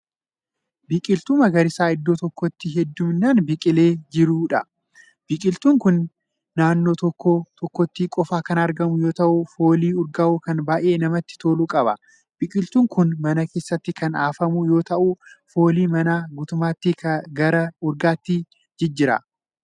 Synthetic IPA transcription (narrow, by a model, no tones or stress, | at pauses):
bɪkʼɪlt̪ʊmɐɡɐɾɪsaːɪd̪ːoːt̪ɔkːɔt̪ːɪɦɛd̪ːʊmnaːnbɪkʼɪle̞ːd͡ʒɪɾuːᶑɐ | b̥ɪkʼɪlt̪uːŋkʊnː | aːnːo̞ːt̪ɔkːot̪ɔkːɔt̪ːiːkʼɔfaːkɐnɐɾɡɐmʊjo̞ːt̪ɐʔʊfo̞ːliːʊɾɡɐʔʊkɐnbaːʔe̞ːnɐmɐt̪ːɪ̥t̪o̞ːluːkʼɐbɐ̰ | b̥ɪkʼɪlt̪uːŋkʊnmɐnɐke̞ːsːɐt̪ːɪkɐnaːfɐmʊjo̞ːt̪ɐʔʊfo̞ːliːmɐnaːɡʊt̪ʊmaːt̪ːɪɐɡɐɾɐʊɾɡaːt̪ːɪ | d͡ʒɛd͡ʒːɪɾɐ̰